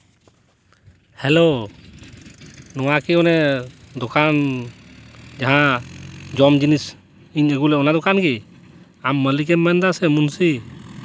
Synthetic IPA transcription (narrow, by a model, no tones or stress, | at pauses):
hɛlo | nɔwakiɔnɛd̪ɔkʰan | d͡ʒaɦã | d͡ʒɔmd͡ʒinis | iɲəɡulɛɔnad̪ɔkanɡi | amːəlik̬ɛmːɛnd̪asɛmunsi